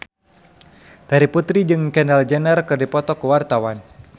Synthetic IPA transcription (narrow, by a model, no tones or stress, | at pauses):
d̥aɾiput̪ɾid͡ʒɨŋkɛnɛld͡ʒɛnərkɨrdipɔt̪ɔkuwart̪awan